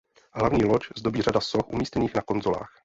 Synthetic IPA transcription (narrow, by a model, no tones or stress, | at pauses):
ɦlavɲiːloczdo̞biːr̝adasoxʔumiːscɛniːxnako̞nzo̞la̰ːx